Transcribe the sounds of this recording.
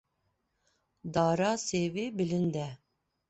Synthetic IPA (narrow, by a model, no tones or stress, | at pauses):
d̪ɑɾɑsevebɪlɪnd̪ɛ